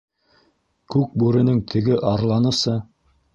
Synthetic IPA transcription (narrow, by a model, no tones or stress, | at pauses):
kʉk̚bʉɾɘ̆nɘŋt̪ʰɘ̆ɡɘʔɑɾlˠɑnɤ̆sɤ